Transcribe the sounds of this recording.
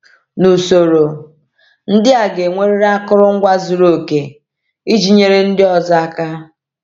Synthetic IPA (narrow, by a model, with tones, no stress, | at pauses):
nu˨so˨ɾo˨ | n̩˦dɪ˦a˨ɡe˨ŋʷe˦ɾe˦ɾa˦kʊ˦ɾʊ˦ŋ̩˦ɡʷa˦zu˨ɾo˦˨ke˨ | i˦d͡ʒi˦ɲe˦ɾe˦n̩˦dɪ˦ɔ˨za˦a˦ka˦